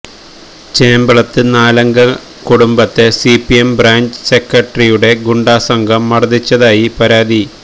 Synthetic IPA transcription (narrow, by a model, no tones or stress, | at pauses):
t͡ɕeːmbɐɭɐt̪ːɨnaːlɐŋɡɐ | kuɽumbɐt̪ːe̞sipiembraːɲd͡ʑɨ̥se̞kːɐʈrijuɽe̞ɡuɳɖaːsɐŋɡʱɐmːɐrɐd̪it͡ɕːɐðaːjipɐɾaːd̪i